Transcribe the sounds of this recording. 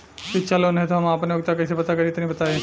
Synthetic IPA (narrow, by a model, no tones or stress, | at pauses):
kit͡ʃalonɦẽt̪ʰoɦɐmaːpneoɡt̪akɐsepɐt̪akɐɾit̪nĩbɐt̪aːẽ